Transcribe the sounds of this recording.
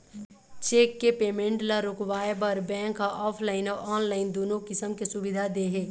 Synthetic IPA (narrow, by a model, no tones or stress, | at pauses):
t͡ʃeːkːepeːmẽɳʈlaɾʊkʋaːebəɾbɛ̃ːŋkaʔɔːpʰlaːɪnɔʔɔːnlaːɪnd̪oːnõkɪsəmkesʊbɪd̪ʱad̪eɦeː